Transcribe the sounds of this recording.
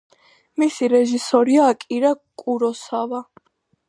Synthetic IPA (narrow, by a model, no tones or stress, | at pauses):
misiɾɛʒisɔɾiaːkʼiɾakʼuɾɔsava